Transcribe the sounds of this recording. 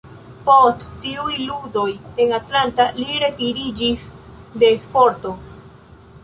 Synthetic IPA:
posttiujludo̞je̞natlantaliɾe̞tiɾid͡ʒisde̞spo̞ɾto̞

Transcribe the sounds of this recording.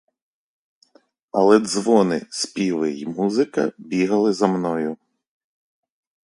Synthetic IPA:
ɐlˠɛd̪zʋɔnɪ̰spʲilˠɪimuzɪkɐ̰bʲiɦɐlˠɪzɐmnɔjʊ

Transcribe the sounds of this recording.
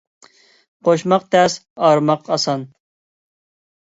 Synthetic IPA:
qʰoʃmɑq̚t̪ʰɛsɑɾmɑqʰɑsɑn

